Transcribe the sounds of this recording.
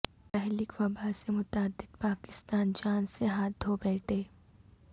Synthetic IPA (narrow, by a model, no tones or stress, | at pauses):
pɛɦlɪkʋɐbʱasemʊt̪aːd̪ːɪd̪paːkɪ̥st̪aːnd͡ʒaːnseɦaːt̪̚d̪ʱobɛːʈʰeː